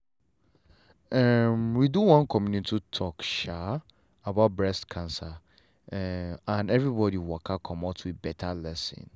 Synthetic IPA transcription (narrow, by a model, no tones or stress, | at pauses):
ɛmwiduwɔ̃nkʰɔ̃mjũnĩtʰitʰɔkʃa | abaʊt̚bɹɛstkʰãnsa | ãnɛvɹibɔdiwɔkʰakʰɔ̃matʰwibɛtʰalɛsɪ̰̃n